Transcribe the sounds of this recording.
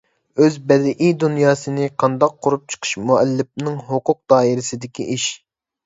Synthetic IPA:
øzbɛd̪ɪʔijd̪unjɑːsɨnɨqʰɑnd̪ɑqʰːoɾup̚t͡ʃʰə̥qʰə̥ʃmuɛlːɪp̚nɨŋɦoqʊq̚d̪ɑːiɾɪsɪd̪ɪkʲʰiʔiʃ

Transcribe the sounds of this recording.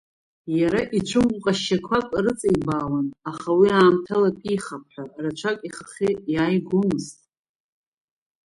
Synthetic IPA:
jaɾaʔit͡ʃʷʰɨmqʼaʃːakʷʰakʼrɨt͡sʼaibaːwanaχawiaːmtʰalakʲʷʼiχap̚ʰħʷᶣarat͡ʃʷʰakʼiχaχijaːjɡʷʊmɨztʼ

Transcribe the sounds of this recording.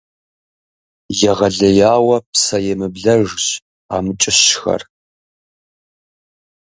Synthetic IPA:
jɛʁɐɮɐjaːwɐpsɐjɛmɨbɮɐʒɕ | aːmɨt͡ʃʼɪɕxɐ̰r

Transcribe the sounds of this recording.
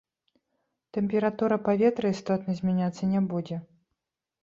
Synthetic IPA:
t̪ɛmʲpʲɛɾat̪uɾɐpavʲɛt̪ɾɨist̪ɔt̪nɐzʲmʲɛnʲat̪sːɐnʲɛbud͡zʲɛ

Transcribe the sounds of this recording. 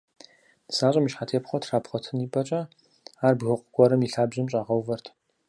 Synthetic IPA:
d̥ɨsaːɕʼɐmiʃħaːtʰeːpχʷɔtʰraːpχʷɔtʰɨniːbɐt͡ʃʼɐ | aːrbɣʷʊqʷʼʊɡʷɔɾɐmiɬaːbʑɨmɕʼaːʁɐwvɐrtʰ

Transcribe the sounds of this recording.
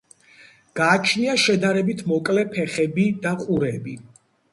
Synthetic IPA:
ɡ̥aːt͡ʃʰniaʃɛd̪aɾɛbit̪ʰmɔkʼlɛpʰɛχɛbid̪aqʼuɾɛbi

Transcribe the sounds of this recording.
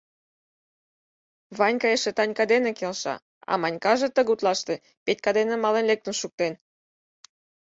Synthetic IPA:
βɑnʲkɑjeʃet̪ɑnʲkɑd̪enekelʃɑ̰ | ɑ̰mɑnʲkɑʒĕt̪əɣut̪lɑʃt̪e | pet̪̚ʲkɑd̪enemɑlenlek̚t̪ənʃuk̚t̪en

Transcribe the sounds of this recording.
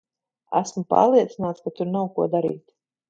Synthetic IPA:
æ̰smupa̰ːɾlˠiɛt̪sinaːt̪skat̪uɾnawkuɔd̪aɾḭːt̪

